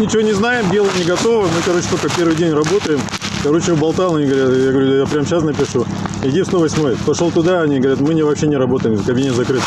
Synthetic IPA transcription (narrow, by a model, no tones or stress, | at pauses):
mnʲɪt͡ɕɪvo̞nʲɪznajɪmbʲe̞lˠəjənʲɪɡɐt̪o̞vəmɨkɐɾo̞t͡ɕɪ̥t̪olʲkəpʲe̞rvɨjdʲenʲrɐbo̞t̪əjɪm | kɐɾo̞t͡ɕɪbɐlˠt̪alˠɐnʲiɡəɐvɐɾʲat̪jaɡəvɐɾʲujapɾʲamɕasnɐpʲɪʂu | ɪdʲifst̪o̞vɐsʲmo̞jpɐʂolˠt̪ʊd̪aɐnʲiɡəvɐɾʲat̪mɨnʲɪvɐpɕːenʲɪɾɐbo̞t̪əjɪmzəkɐbʲinʲezɐkɾɨt̪